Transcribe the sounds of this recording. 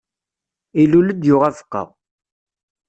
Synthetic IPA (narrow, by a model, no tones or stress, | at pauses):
iluləd̪jʊʁævə̥qːə̰ʁ